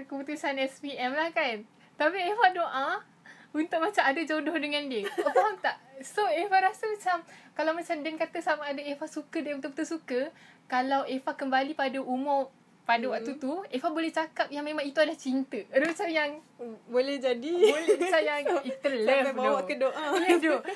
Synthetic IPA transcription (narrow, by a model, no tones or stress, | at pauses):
kəput̪usanɛspiɛmlahkan | t̪apiefahdoʔa | unt̪ʊk̚mat͡ʃamadad͡ʒodɔhdəŋãndiətaamt̪aʔsoefaɾasəmat͡ʃamkalawmat͡ʃamdɛnkat̪əsamaːdaefahsukədaunt̪uʔp̚t̪əsukəkalawefahkəmbalipadaʔumʊ | padawak̚t̪ut̪uefabolɛht͡ʃakap̚jaŋmẽmãŋit̪uadlaht͡ʃint̪əadmat͡ʃamjaŋ | bolɛhd͡ʒadibolɛmat͡ʃajaŋit̪əlɛfbawaʔkədoʔajədo